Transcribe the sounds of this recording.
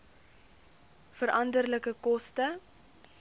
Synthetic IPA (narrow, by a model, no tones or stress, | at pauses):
fəɾɐndərləkəkɔstə